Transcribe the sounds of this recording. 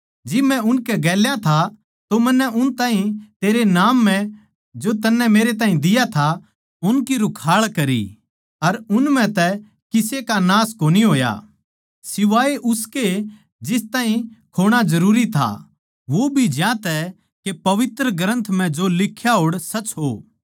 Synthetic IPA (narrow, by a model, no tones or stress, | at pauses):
d͡ʒɪbmɛ̃ʊnkɛɡɛːljat̪ʰa | t̪omɐnːɛʔʊnt̪ãːɦĩt̪eːɾenaːmːɛ̃ | d͡ʒot̪ɐnːɛmeːɾet̪̬aːɦĩd̪ɪjat̪ʰa | ʊnkiɾʊkʰaːɭkɐɾḭ | ɐɾʊnmɛ̃t̪ɛ | kɪsekanaːskoːniɦoːja̰ | sɪʋaːeʔʊske | d͡ʒɪst̪aːɦĩkʰoːɽ̃ad͡ʒɐɾuːɾit̪ʰa̰ | ʋobʱid͡ʒjãːt̪ɛ | kepɐʋɪt̪ɾəɡɾə̃nt̪ʰm̤ɛ̃d͡ʒolɪkʰːjaɦoːɽsɐt͡ʃɦo̰ː